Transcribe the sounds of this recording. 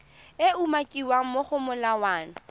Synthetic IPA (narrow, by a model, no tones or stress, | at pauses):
ɪumakʼiwaŋ̩moχʊmʊlawaːnʊ